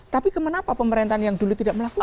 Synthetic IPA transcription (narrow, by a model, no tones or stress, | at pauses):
t̪apikəmanapapəməɾent̪aanjaŋd̪ulut̪idaʔməlaku